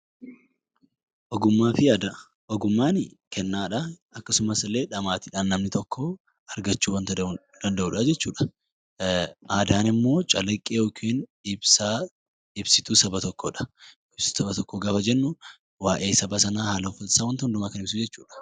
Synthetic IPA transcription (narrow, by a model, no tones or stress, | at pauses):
ʔɔɡʊmːaːfɪad̪ɐ | ɔɡʊmːaːnɪkʰɛnːaːᶑɐ | ɐkːɐsʊmɐsɪlːeːᶑɐmaːt̪ɪᶑaːnːɐmnɪt̪ɔkːo | ɐɾɡɐt͡ʃːuːwɐnt̪ | d̪̥ɐnd̪ɐʔuːᶑɐd͡ʒɛt͡ʃːuːᶑɐ̥ | ʔaːd̪aːnɪmːo̞ːt͡ʃʼɐlɐkʼːeːɔkʰeːnɪbsaː | ɪbsɪt̪uːsɐbɐt̪ɔkːoːᶑɐ̥ | ɪb̥sɪ̥t̪ːsɐbɐt̪ɔkːoːɡaːfɐd͡ʒɛnːʊ | waːʔe̞ːsɐbɐsɐnaːhaːlɐfɐlsaːwɐnt̪ɐʊnd̪ʊmaːkɐnɪbsud͡ʒɛt͡ʃːṵːᶑɐ̥